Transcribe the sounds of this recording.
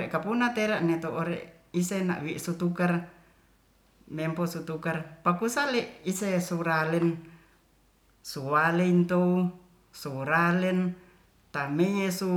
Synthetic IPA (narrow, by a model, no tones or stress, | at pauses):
ɛʔkapunat̪eɾaʔnɛt̪oʔoɾḛʔ | isena̰ʔwiʔsut̪ukar | mɛmposut̪ukarpakusalɛʔisesuɾalɛn | suwaleint̪ou | suɾalɛn | t̪amejesu